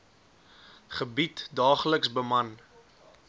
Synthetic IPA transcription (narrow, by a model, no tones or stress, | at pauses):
χəbitdɑːχləksbəmɐn